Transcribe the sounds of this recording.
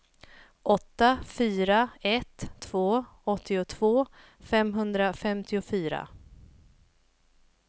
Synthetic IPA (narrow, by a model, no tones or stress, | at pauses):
ʔɔt̪ːafyːɾaɛt̪ʰːv̥oːɔt̪ʰːɪʊt̪ʰvoː | fɛmɦɵnd̪ɾafɛmt̪ʰɪʊfyːɾa̰